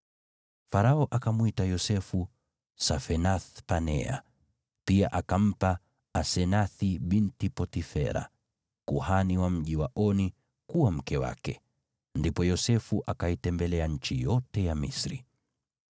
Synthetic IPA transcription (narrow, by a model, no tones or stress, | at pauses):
faɾaɔʔakamwitajɔsɛfu | safɛnaθpanɛ̰a̰ | piaʔakam̩pa | asɛnaθiɓintipɔtifɛ̰ɾa̰ | kuhaniwam̩ʄiwaʔɔni | kuwam̩kɛwa̰kɛ | ndipɔjɔsɛfuʔakaitɛmbɛlɛaɲ̩t͡ʃijɔtɛjamisɾḭ